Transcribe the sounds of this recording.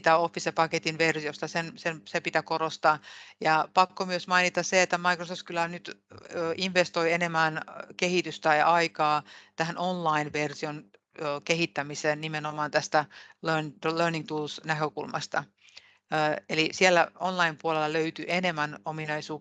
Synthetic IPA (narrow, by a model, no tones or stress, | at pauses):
t̪æofːisepɑket̪inʋersiost̪ɑsensemsepit̪ækorost̪ɑːjɑpɑkːomyøsmɑinit̪ɑsseet̪ːæmɑikrosoft̪kylænyt̪øːʔinʋest̪oienemænkehit̪yst̪æjɑɑikɑːt̪æhænʔonlɑinʋersion | øːkeɦit̪ːæmiseːnnimenomɑːnt̪æst̪ælønlørniŋt̪uːlsnækøkulmɑ̰st̪ɑː | elisielːæonlɑimpuolelːɑløyt̪yʔenemːænominɑisuː